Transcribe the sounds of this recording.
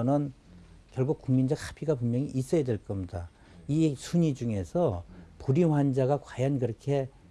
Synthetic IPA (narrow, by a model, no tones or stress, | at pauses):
nɯn | kjʌɭɡuk̚kuŋmind͡ʑʌkhḁpʰiɡap̬unmjʌŋiʔːs͈ʌjadweɭk͈ʌmɲida | isʰuɲid͡ʑuŋe̞sʰʌpuɾiɦwand͡ʑaɣakwajʌnkɯɾʌkʰe̞